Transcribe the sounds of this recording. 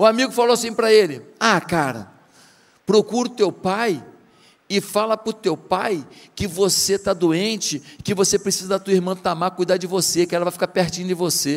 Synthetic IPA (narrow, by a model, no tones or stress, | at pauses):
ʊamiɡʊfaloasĩpɾɐelɪakaɾɐ̰ | pɾokuɾʊt̪ewpaj | ɪfalɐpʊɾt̪ewpajkɪvoset̪ad̪uẽnt͡ʃɪkɪvosepɾesizɐd̪ɐt̪uɐiɾmɐ̃t̪amakujd̪ad͡ʒɪvosekɪɛlɐvajfi̥kaɾpeɾt͡ʃĩnʊd͡ʒɪvose